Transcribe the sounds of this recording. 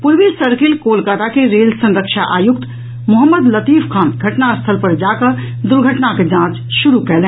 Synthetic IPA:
pʊɾʋisəɾkɪlkoːlkaːt̪akeɾeːlsə̃nɾəkʃaʔaːjʊk̚t̪ | mʊɦəmːəd̪lət̪iːfʰkʰãːnɡʱɐʈnast̪ʰəlpɐɾd͡ʒaːkəɾ | d̪ʊɾɡʱəʈnaked͡ʒãːt͡ʃʃʊɾukɛlẽː

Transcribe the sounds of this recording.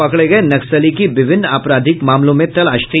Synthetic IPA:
ɐkɭeɡɐenɐksəlikiʋɪʋʱɪnːaːpɾaːd̪ʱɪkmaːmlõmẽt̪ɐlaːʃt̪i

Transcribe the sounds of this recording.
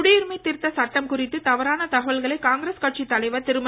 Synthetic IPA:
ʊɽɪjɪɾmɐɪt̪ːɪɾt̪ːɐsɐʈːɐmkʊrɪt̪ːɯt̪ɐʋɐɾaːnɐt̪ɐɣɐʋɐɭɣɐɭɐɪkaːŋɡɪɾeːskɐʈ̚t͡ʃit̪ːɐɭɐɪʋɐt̪ɪɾɯmɐ

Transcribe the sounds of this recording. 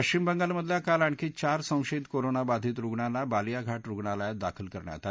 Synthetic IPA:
əkt͡ɕimbəŋɡalməd̪ʱljakalaɳkit͡ɕaɾsə̃w̃ɕeit̪koɾonabad̪ʱiːt̪ɾuɡɳanːabalijaɡʱaʈɾuɡɳalajad̪akʰəlkəɾɳja̰t̪a

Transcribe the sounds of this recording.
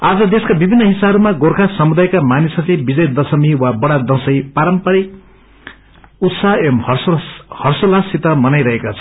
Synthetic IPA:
ad͡zʌd̪eskabibʱinːʌɦisaʌɾumaɡorkʰasʌmud̪ajkamanisʌlebid͡zʌjd̪ʌsʌmiwabʌɽad̪ʌsʌjpaɾʌmpʌɾik̚ | ut̪saemhʌhʌrsolasit̪ʌmʌnajɾʌɦekot͡sʰʌ

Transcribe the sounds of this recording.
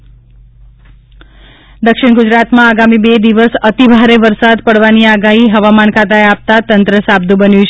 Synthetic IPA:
d̪əkʃɪɳɡʊd͡ʒɾat̪mãaɡamibed̪iʋəsət̪ibʱaɾeʋəɾsad̪pəɽʋaniaɡaɦiɦəʋamankʰat̪aeap̚t̪at̪ənt̪ɾəsab̚d̪ubənjũt͡ʃʰe

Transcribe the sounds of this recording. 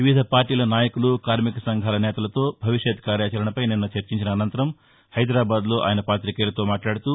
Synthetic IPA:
ʋiʋid̪ʱɐpaːɾʈiːlɐnaːjɐkulukaːɾmikɐsɐŋɡʱaːlɐnɛːt̪ɐlɐt̪o̞ːbʱɐʋiʃʂɐt̪kaːɾjaːt͡ʃɐɾɐɳɐpɐjninːɐt͡ʃɐɾt͡ʃiɲt͡ʃinɐːnɐnt̪ɐɾɐm | hɐjd̪ɾaːbaːd̪lo̞ːʔa̰ːjɐnɐpaːt̪ɾikeːlɐt̪o̞ːmaːʈlaːɽut̪u

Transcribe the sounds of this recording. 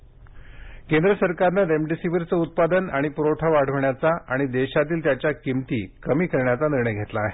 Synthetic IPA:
kend̪ɾəsəɾkaɾnaɾemɖisiʋəɾt͡səut̪̚pad̪ənaɽ̃ipɾoʈʰaʋaɽ̤əʋɳjat͡saʔaɽ̃id̪eɕat̪̬iːlt̪jat͡ɕjakimt̪iːkəmiːkəɾɳjat͡saniɾɳəjɡʱet̪laːɦe

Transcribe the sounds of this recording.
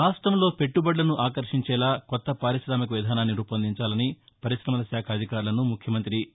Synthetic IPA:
aːsʈɾɐmlo̞ːpe̞ʈːubɐɖlɐnuʔaːkɐɾʂiɲt͡ʃɛːlaːkɔt̪ːɐpaːɾiʃɾaːmɐkɐʋid̪ʱaːnaːnːiɾuːpɐnd̪iɲt͡ʃaːlɐnipɐɾiʃɾɐmɐlɐʃjaːkʰɐɐd̪ʱikaːɾlɐnumukʰjɐmɐnt̪ɾi

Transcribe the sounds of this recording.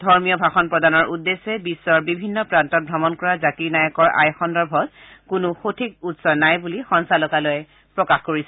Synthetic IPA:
dʱɔɹmijɔbʱaxɔnpɹɔdanɔɹʔudːesɛbisːɔɹbibʱinːɔpɹantɔt̚bʱɹɔmɔnkɔɹazakinajɔkɔɹa̰jxɔndɔɹbʱɔt | kʊnʊxotʰikutsɔnajbulixɔnsalɔkalɔjɛ | pɹɔkaxkoɹisɛ

